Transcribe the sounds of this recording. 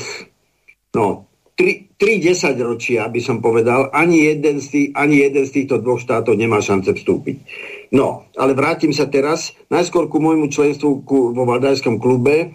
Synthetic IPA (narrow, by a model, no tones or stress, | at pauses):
nɔ | t̪ɾit̪ɾiɟɛsaɟɾɔt͡ʃɪabisɔmpɔʋɛd̪alʔaɲijɛd̪ɛnst̪iʔaɲijɛd̪ɛnst̪iːxt̪ɔd̪ʋɔxʃt̪aːt̪ɔʊɲɛmaːʃant͡sɛfst̪ṵːpḭcnɔ̰alɛʋɾaːcimsat̪ɛɾasnajskʊɔɾkumɔjmut͡ʃlɛnst̪ʋukuʋɔʋad̪ajskɔmklubɛ